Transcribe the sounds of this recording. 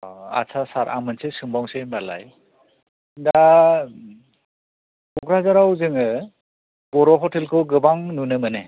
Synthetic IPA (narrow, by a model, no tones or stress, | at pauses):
a̰sʰasaɾʔa̰mɯnsesɯŋbawŋsembala̰j | da | bɔɡɾazaɾawzɯŋɯ | b̥ɔɾɔɦɔtʰelkʰɯɡɯbaŋnunɯmɯne